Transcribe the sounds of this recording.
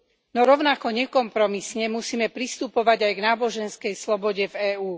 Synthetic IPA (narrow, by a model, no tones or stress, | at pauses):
nɔɾɔʊnakɔɲɛkɔmpɾɔmisɲɛmusiːmɛpɾist̪upɔʋaɟajɡnaːbɔʒɛnskɛjslɔbɔɟɛvɛːuː